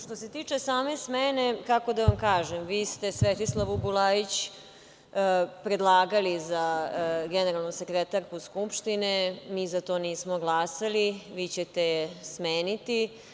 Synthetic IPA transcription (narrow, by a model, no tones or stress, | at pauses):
ʃt̪o̞se̞t̪iːt͡ʂesaːme̞smenekako̞d̪aʋamkaːʒemʋiːst̪esʋet̪islˠaʋubulaːjit͡ɕ | pɾed̪lˠaːɡalizaɡeneɾalˠnusekɾet̪aɾkuskupʃt̪inɛmiːzat̪o̞ːniːsmoɡlaːsaliʋiːt͡ɕet̪ejesmeːnit̪i